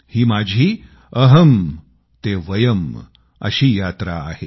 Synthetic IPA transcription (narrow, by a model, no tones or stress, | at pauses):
hiːmad͡ʑʱiː | əɦəm | t̪eʋəjəm | ə̰ɕiːjaːt̪ɾa̰ːhe